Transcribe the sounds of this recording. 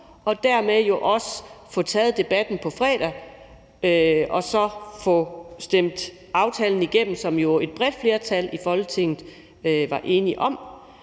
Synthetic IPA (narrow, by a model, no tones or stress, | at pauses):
ɒ̽d̥æɐ̰meðˠjo̝ʔɒ̽səfɔ̽t͡sʰɛːð̞̩ˠd̥e̝b̥æd̥n̩pʰɒ̽fʁɛ̰ːd̥ɐ | ɒ̽sɒ̽fɔsd̥em̰d̥ | ɑ̈ʊt͡sʰɛːln̩iɡ̥em̰m̩sɒ̽mjo̝e̝d̥̚b̥ʁɛd̥fle̝ːɐt͡sʰælifɒ̽lɡ̥ət͡sʰe̝ŋ̰ð̩ˠ | ʋɑ̈ʔe̝ːniʔɒ̽m